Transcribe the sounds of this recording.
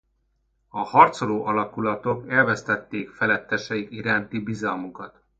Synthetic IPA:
ɒhɒrt̪soloːʔɒlɒkulɒt̪o̞kɛlvɛst̪ɛt̪ːeːkfɛlɛt̪ːɛʃɛikiɾaːnt̪ibizɒlmukɒt̪

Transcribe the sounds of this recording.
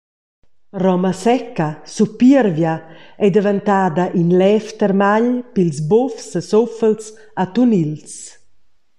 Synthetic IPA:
rɔmasɛkːasupirvjaɛd̪evant̪aːd̪aʔinlɛft̪ɛɾmaʎpilzbofsəsofəls | at̪unils

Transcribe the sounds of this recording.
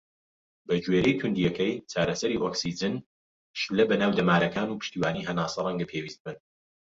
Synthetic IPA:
bɐd͡ʒweːɾɛjt̪ʰʊnd̪ijɛkɛjt͡ʃʰaːɾɐsɐɾiːʔoksid͡ʒɨn | ʃulɐbɐnaːwd̪ɐmaːɾɐkaːnuːpʰɨ̥ʃt̪iːwaːniːɦɐnaːsɐrˤɐŋɡɐpʰeːwiːst̪̚bɨn

